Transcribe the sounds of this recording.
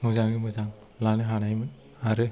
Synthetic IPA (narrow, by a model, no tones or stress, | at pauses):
muzaŋɡɯmɯzaŋ | lanɯɦanajmɯ | aɾɯ